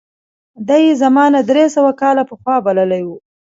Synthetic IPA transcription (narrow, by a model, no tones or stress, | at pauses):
d̪ajezamɑnad̪ɾesəwakɑlapəxwɑbaləlajwu